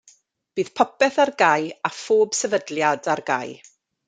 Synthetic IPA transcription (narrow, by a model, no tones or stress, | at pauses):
b̥iːð̥pʰɔpɛθarɡajafoːb̥sɛvədlˠjadarɡa̰j